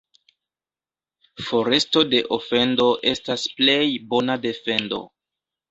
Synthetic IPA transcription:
fo̞ɾe̞sto̞de̞ʔofe̞ndo̞ʔe̞stasple̞jbo̞nade̞fe̞ndo̞̰

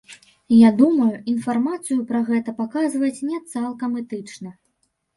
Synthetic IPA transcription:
jad̪umɐjuinfarmat̪sɨjupɾɐɣɛt̪ɐpakazvɐt͡sʲnʲɛt̪salˠkɐmɛt̪ɨt͡ʂnɐ

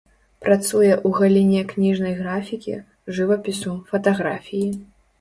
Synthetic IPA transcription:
pɾat̪sujɛʔuɣalʲinʲɛknʲiʐnɐjɣɾafʲikʲḭ | ʐɨvɐpʲisufɐt̪aɣɾafʲiji

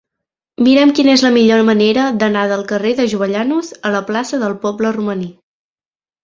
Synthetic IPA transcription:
miɾɛmkinezləmiʎoɾməneɾəd̪ənaðəlˠkəreðəʒuβəʎanuzələplasəðəlˠpɔbləruməni

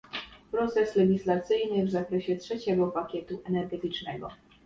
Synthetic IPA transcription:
pɾɔt̪sɛslɛɡʲislat̪sɘjnɘvzakɾɛɕɛtʂɛt͡ɕɛɡɔpakʲɛt̪uʔɛnɛɾɡɛt̪ɘt͡ʂnɛɡɔ̰

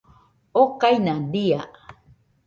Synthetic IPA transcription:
okajnadia

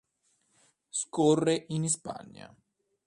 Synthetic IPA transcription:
skɔrːeʔinispa̰ɲːa̰

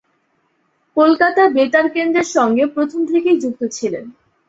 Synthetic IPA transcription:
kolkat̪abeʈaɾkend̪ɾeɾʃɔŋɡepɾot̪ʰomt̪ʰekejd͡ʑuk̚t̪ot͡ɕʰilen

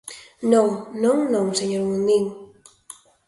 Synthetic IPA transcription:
nõŋnõŋnõŋseɲoɾmuniŋ

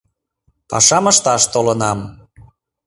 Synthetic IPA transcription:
pɑ̰ʃɑməʃt̪ɑʃt̪olənɑm

